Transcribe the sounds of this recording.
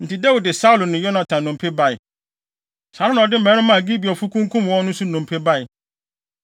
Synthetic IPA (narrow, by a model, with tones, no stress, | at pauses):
n̩˨tʰɪ˨da˦wu˨dɪ˨sa˦u˨lʊ˨nɪ̃˨jɔ˦nã˨tʰã˨n˨nʊ̃˨m˨pʰe˦ba˦ɪ˨ | sa˨ɾa˦nã˨ɔ˨dɪ˦m̩˨mɛ̃˨˦nʊ̃˦mã˨ɡi˦bi˨ɔ˨fu˦kʰũ˦ŋkʰũ˦m˨wɔ̃˦nʊ̃˦su˦nʊ̃˨m˨pʰe˦ba˦ɪ˨